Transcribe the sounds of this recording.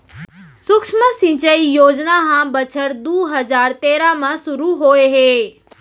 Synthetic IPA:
sʊkʂməsĩt͡ʃəijoːd͡ʒnaɦãbət͡ʃʰəɾd̪uːɦəd͡ʒaɾt̪eɾamãsuɾuɦoeɦe

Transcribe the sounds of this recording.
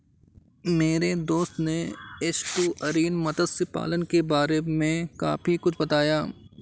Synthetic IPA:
meːɾed̪oːst̪neɪsʈuːʔɐɾiːnmɐd̪əd̪sepa̰ːlənkebaːɾemẽka̰ːfikʊt͡ʃʰbɐt̪aːjaː

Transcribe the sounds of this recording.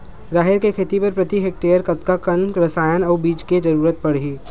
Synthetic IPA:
ɾaːɦeɾkekʰeːt̪ipɐɾpɾɐt̪iɦeːk̚ʈeːjəɾkɐt̪kakɐnkɾɐsaːjənɐːbiːd͡ʒked͡ʒɐɾuːɾət̪̚pɐɽɦiː

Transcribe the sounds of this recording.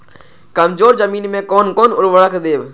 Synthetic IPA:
kəmzoːɾzəmiːnmẽkɔːnkɔːnʊɾʋəɭəkʰd̪eːʋ

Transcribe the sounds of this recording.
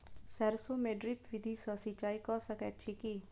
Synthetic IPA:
sɛɾsomeːɖɾipʋɪd̪ʱiːsəsit͡ʃaːikɔsəkɛʃʰikiː

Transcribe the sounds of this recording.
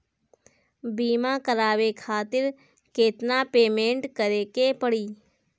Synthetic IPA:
biːmakəɾaːʋekʰaːt̪ɪɾ | keːt̪napeːmẽːɳʈkəɾeːkepəɽiː

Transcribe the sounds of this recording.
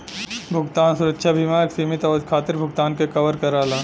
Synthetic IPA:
bʱʊɡt̪aːnsʊɾəkʃʰabʱimaːɾksimɪt̪ɔːkʰaːt̪ɪɾbʱʊɡt̪aːnkekɐʋəɾkɐɾaːlaː

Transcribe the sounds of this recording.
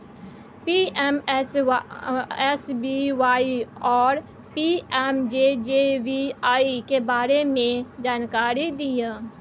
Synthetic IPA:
piːɛms | ɛsbiʋaːiɔːɾ | piɛmd͡ʒed͡ʒeːʋiaːikebaːɾemẽd͡ʒaːnkaːɾid̪iaː

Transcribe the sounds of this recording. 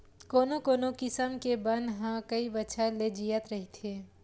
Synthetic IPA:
koːnokoːnokɪsəmkebənd̪ɦãkəibətːʃʰaled͡ʒijət̪ɾəɦit̪ʰeː

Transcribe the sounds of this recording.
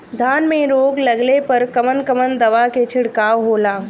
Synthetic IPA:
d̪ʱaːnmẽɾoːɡlɐɡlepɐɾkɐmənkɐmənd̪ɐʋaket͡ʃʰɪɽkaːʋɦoːlaː

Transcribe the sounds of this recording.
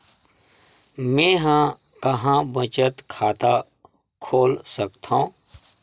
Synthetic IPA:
mẽːɦã | kəɦãbət͡ʃət̪kʰaːt̪a | kʰoːlsəkt̪ʰã

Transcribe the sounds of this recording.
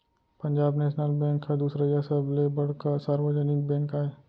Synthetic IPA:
pɐ̃ɲd͡ʒaːbneːʃnəlbɛ̃ːŋkːad̪uːsɾajasəblebɐɽ̤kasaːɾwəd͡ʒənɪk̚bɛ̃ːŋkaːe

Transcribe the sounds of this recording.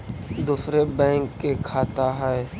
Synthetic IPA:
d̪usɾebɛ̃ːŋkːekʰaːt̪aɦɛː

